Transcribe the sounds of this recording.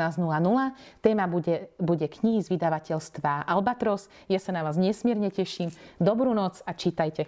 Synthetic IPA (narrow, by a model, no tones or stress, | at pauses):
aːznulanulat̪ɛːmabuɟɛbuɟɛkɲiɦizʋid̪aʋacɛʎst̪ʋaʔalbat̪ɾɔs | jasanaʋaːzɲɛsmɪɛɾɲɛcɛʃimd̪ɔbɾuːnɔt͡sat͡ʃiːt̪ajcɛ